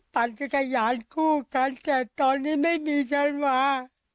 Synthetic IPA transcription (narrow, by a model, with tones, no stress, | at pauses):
pa˨˧nka˧˩ka˧˩jaː˨˦nkʰuː˥˩ka˧nt̪ɛː˨˩t̪ɔː˧nːiː˦˥ma˥˩jmiː˧˦sʰa˧˥nwaː˧˦